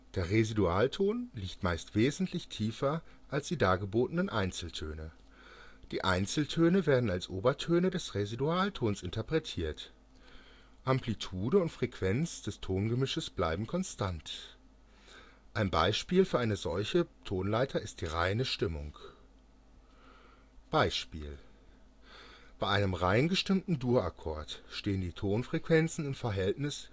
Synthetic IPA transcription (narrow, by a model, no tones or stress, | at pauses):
d̥eːɐʁeziduaːltʰoːnliːktmaɪstv̥eːzn̩tʰlɪçtʰiːfɐʔalsd̥iːdaːɡəboːtənənʔaɪnt͡sl̩tʰø̰ːnə | d̥iːʔa̰ɪnt͡sl̩tʰøːnəveːɐdn̩alsʔoːbɐtʰøːnədɛsʁeziduaːltʰoːnsʔɪntʰɐpʁ̥ɛtʰiːɐt | ʔamplitʰuːdəʊntfʁ̥ɛkv̥ɛnt͡sd̥ɛstʰoːnɡəmɪʃəsb̥la̰ɪbm̩kʰɔnstʰant | ʔaɪnba̰ɪʃpiːlfyːɐaɪnəzɔlçətʰoːnlaɪtʰɐɪst̚d̥iːʁa̰ɪnəʃtɪmʊ̰ŋk | b̥aɪʃpḭːl | b̥aɪʔaɪnəmʁaɪnɡəʃtɪmtn̩duːɐa̰kʰɔ̰ɐtʃteːəndiːtʰoːnfʁ̥ɛkv̥ɛnt͡sn̩ɪmfɛɐɦɛltnɪs